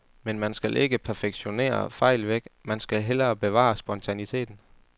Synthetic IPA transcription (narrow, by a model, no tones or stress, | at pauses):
menmænsɡ̥ælʔe̝ɡ̥əpʰæɐfeɡ̥ɕo̝ne̝̰ːɐ̰fɑ̈ɪ̰lʋeɡ̥mænsɡ̥ælɦel̰ɐːb̥e̝ʋɑ̰̈ːsb̥ɒ̽nt͡sʰænit͡sʰe̝̰ːd̥n̩